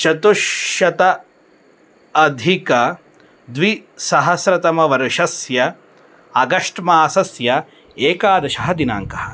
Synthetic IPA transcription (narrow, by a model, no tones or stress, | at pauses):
t͡ʃɐt̪uʃjɐt̪ɐ | d̪ʱikɐ | d̪ʋisɐɦɐsɾɐt̪ɐmɐʋɐɾɐʃɐsjɐ | ɐɡɐʂʈmaːsɐsjɐ | eːkaːd̪ɐʃɐɦɐd̪ina̰ːŋkɐhɐ̥̆